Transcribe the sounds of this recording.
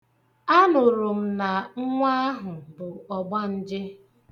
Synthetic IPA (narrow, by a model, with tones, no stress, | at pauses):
a˦nʊ˨ɾʊ˨m̩˦na˨ŋ̩˦ŋʷa˦a˦ɦʊ˨bʊ˨ɔ˨ɡ͡ba˦n̩˦d͡ʒɪ˦